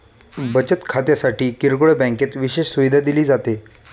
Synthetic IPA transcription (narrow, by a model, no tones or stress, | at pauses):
bət͡ɕət̪kʰat̪jasaʈiːkiɾkoɭəbɛ̃ŋket̪ʋiɕeɕsuʋid̪ʱad̪iliːd͡zat̪e